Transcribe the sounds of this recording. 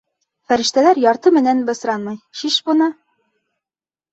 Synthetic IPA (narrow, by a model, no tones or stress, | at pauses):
fæɾɘ̆ʃt̪ælæɾjɑɾt̪ɤmɘ̆nænbɤ̆sɾɑnmɤjʃiʃbŭnɤ